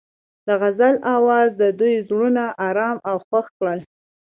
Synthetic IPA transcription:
d̪̥əɣazalawɑzd̪əd̪ujzɽunaʔɑɾɑmawxwaxkɽəl

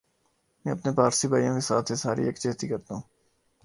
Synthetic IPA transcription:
mɛ̃ːɐpnepaːɾsibʱaːjõkesaːt̪ʰesaːɾḭekt͡ʃeːt̪ikɐɾt̪aɦũː

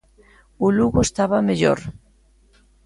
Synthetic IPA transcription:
uluɣoest̪aβameʎo̰ɾ

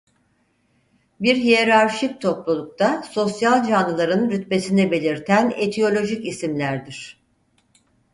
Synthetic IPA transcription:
biɾɦijeɾaɾʃik̚t̪ʰo̞plˠulˠuk̚t̪ʰaso̞sjalʲˠd͡ʒanːɯlˠaɾɯnɾyt̪̚be̞sinɛbe̞lʲiɾt̪ʰænet̪ʰio̞lʲo̞ʒicisimlʲæɾd̪iɾ̥

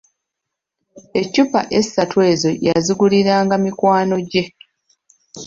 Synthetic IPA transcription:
e̞cːupa̰ʔe̞satwe̞ːzo̞jaziɡuliɾaːŋɡamikwaːno̞ɟe̞

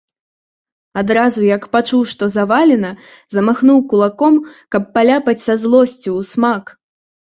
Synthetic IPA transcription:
ad̪ɾazujɐkpat͡ʂuwʂt̪ɔzavalʲɛnɐ | zɐmaxnuwkulˠakɔmkɐpːalʲapɐt͡sʲsɐzlˠɔsʲt͡sʲiːsmak

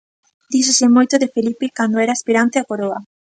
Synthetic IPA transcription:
d̪isosɪmojt̪oðefelipekand̪oɛɾaːspiɾant̪ɪakoɾoɐ

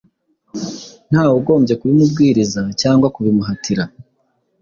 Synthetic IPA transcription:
n̥haːwuɡo̞ːmbɟe̞kuɾimubɡiːɾizacaːŋɡwakuβimuɦatʰiɾa

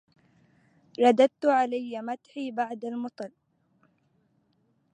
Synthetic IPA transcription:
ɾˤɑd̪ad̪̚t̪ʊʕalajːamat̪ħiːbaʕd̪almʊt̪ˤɨl

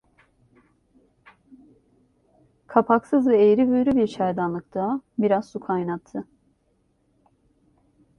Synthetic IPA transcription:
kʰapʰaksɯzvɛejɾivøjɾybiɾt͡ʃʰajd̪anlˠɯk̚t̪ʰabiɾazsukʰajnat̪ʰːɯ

